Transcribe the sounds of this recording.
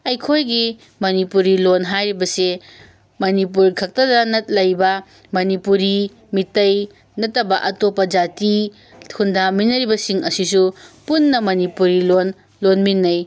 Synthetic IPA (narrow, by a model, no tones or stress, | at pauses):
ɐjkʰojɡi | mɐnipuɾilonɦajɾibɐse | mɐnipuɾkʰɐk̚tɐdɐnɐt̚lɐjbɐ | mɐnipuɾi | mitɐj | nɐtːɐbɐʔɐtopːɐd͡ʒati | hundaminːɐɾibɐsiŋɐsis̬upunːɐmɐnipuɾilon | lonminːɐj